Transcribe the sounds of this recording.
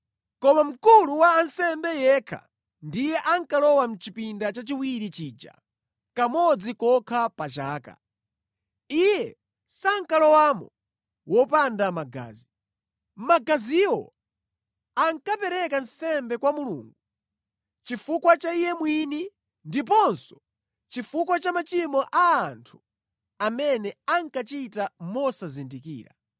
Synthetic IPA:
kɔmam̩kuluwaːnsɛmbɛjɛkʰa̰ | ndijɛʔaŋkalɔwam̩t͡ʃipindat͡ʃat͡ʃiwiɾit͡ʃiːd͡ʒa̰ | kamɔd͡zikɔkʰapat͡ʃaːka̰ | ijɛ | saŋ̩kalɔwamɔ | wɔpandamaɡa̰ːzi | maɡaziwɔ̰ | aŋkapɛɾɛkansɛmbɛkwamulṵːŋɡu | t͡ʃifukwat͡ʃaijɛmwini | ndipɔnsɔ̥ | t͡ʃifukwat͡ʃamat͡ʃimɔʔaːntʰu̥ | amɛnɛaŋkat͡ʃitamɔsazindikḭːɾa̰

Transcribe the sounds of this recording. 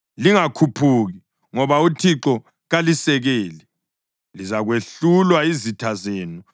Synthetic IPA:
liŋakʰupʰuɣi | ŋɔβautʰiǁɔ | ɣalisɛɣeːli | lizaɣweɬulwaizitʰazeːnu

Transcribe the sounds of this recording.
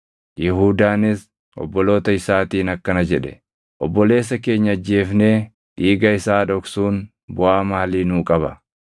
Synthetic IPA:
jɛɦuːd̪aːnɪs | ʔɔ̰bːɔlo̞ːt̪ɐɪsaːt̪iːnɐkːɐnɐd͡ʒɛᶑɛ | ʔɔbːɔle̞ːs̬ːɐke̞ːɲːɐːd͡ʒːe̞ːfne̞ː | ᶑiːɡɐɪsaːᶑɔksuːn | bʊʔaːmaːliːnuːkʼɐβɐ

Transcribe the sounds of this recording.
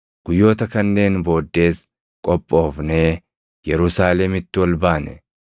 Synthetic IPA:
ɡ̥ʊjːo̞ːt̪ɐkɐnːe̞ːnbo̞ːd̪ːe̞ːs | kʼɔpʼːo̞ːfne̞ː | jɛɾʊsaːlɛmɪt̪ːɪwɐlbaːnɛ

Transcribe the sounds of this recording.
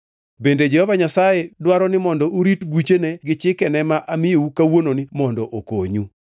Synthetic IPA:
bended͡ʒɛhɔvaɲasajedwaɾɔnɪmɔndɔʔuɾitɡit͡ʃeneɡɪt͡ʃɪkɛnɛmaʔamɪjoukawononɪmɔndɔʔokoɲu

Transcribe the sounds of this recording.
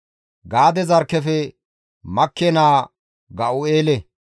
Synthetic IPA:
ɡaːd̪ɛzɐɾkːɛfɛ | mɐkːɛnaː | ɡɐʔʊeːlɛ

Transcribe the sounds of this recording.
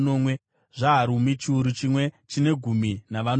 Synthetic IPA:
no̞mwe | ʐaːɾumit͡ʃiuɾut͡ʃimwe̞t͡ʃine̞ɡʱuminaʋan

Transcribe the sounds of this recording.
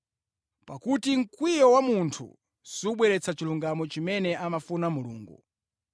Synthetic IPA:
pakutiŋ̩kwijɔwamuntʰṵ | siuɓwɛɾɛt͡sat͡ʃiluŋɡamɔt͡ʃimɛnɛʔamafunamulṵːŋɡṵ

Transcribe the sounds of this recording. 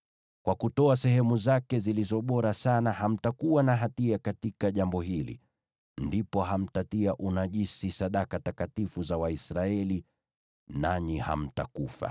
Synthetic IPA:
kwakutɔasɛɦɛmuzakɛzilizɔɓɔɾasanaham̩takuwanaɦatiakatikaʄambɔɦilḭ | ndipɔɦam̩tatiaʔunaʄisisaɗakatakatifuzawaisɾaɛli | naɲiha̰m̩ta̰kufa̰

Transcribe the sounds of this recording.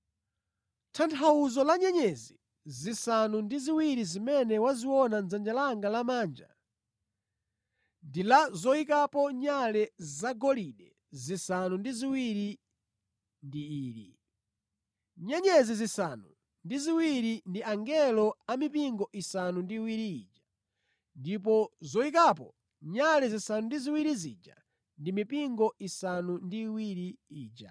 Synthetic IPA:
tʰantʰawuzɔlaɲɛɲɛzi | zisanundiziwiɾizimɛnɛwaziwɔnand͡zand͡ʒalaŋɡalamaːnd͡ʒa̰ | ndilazɔikapɔɲalɛzaɡɔliɗɛ | zisanundiziwiɾi | ndiiːɾḭ | ɲɛɲɛzizisanu | ndiziwiɾindiaŋɡɛlɔamipiŋɡɔʔisanundiːwiɾiiːd͡ʒa | ndipɔzɔikapɔ | ɲalɛzisanundiziwiɾizḭd͡ʒa̰ | ndimipiŋɡɔisanundiwiɾiiːd͡ʒa̰

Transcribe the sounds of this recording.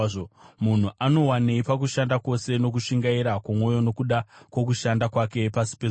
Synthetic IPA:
mun̤uʔano̞waneipak̬uʃandako̞se̞no̞k̬uʃiŋɡaiɾakwamwo̞jo̞no̞kuɗakwokuʃandakwake̞pasi̥pe

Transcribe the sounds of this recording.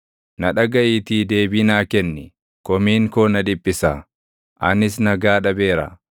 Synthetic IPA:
nɐᶑɐɡɐʔit̪iːd̪e̞ːbiːnaːkɛnːɛ | kɔmiːŋkoːnɐᶑ̪ɪbːɪsaː | ʔɐnɪs̬nɐɡaːᶑɐbe̞ːɾɐ̰

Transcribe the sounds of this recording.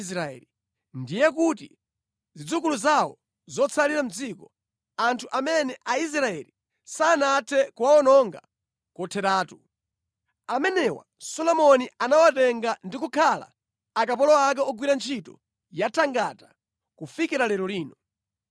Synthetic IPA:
sɾaɛ̰li | ndijɛk̬ut̬ḭ | zid͡zukuluzawɔ̰ | zɔt͡sʰaliɾam̩d͡zikɔ | antʰuʔamɛnɛʔais̬ɾaɛli | saːnatʰɛkuwaɔnɔŋɡa̰ | kɔtʰɛɾaːtu | amɛnɛwa̰ | sɔlɔmɔnianawatɛŋɡandikukʰala̰ː | kapɔlɔak̬ɛɔɡwiɾant͡ʃʰitɔ | jatʰaŋɡa̰ta | kufikiɾalɛɾɔliːnɔ

